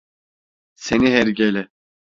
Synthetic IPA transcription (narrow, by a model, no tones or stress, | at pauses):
seniɦɛɾɟelʲɛ